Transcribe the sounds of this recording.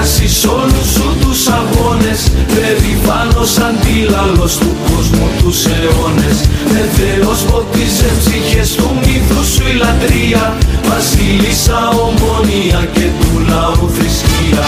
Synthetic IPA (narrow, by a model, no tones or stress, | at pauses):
siso̞lusut̪usɐɣo̞ne̞spe̞ɾipɐno̞sɐnd̪ilɐlo̞st̪uko̞zmut̪use̞o̞ne̞sve̞ve̞o̞spo̞t̪izepsiçe̞st̪umiθusuilɐt̪ɾiɐ | vɐsilisɐomo̞niɐce̞t̪ulɐuθɾisciɐ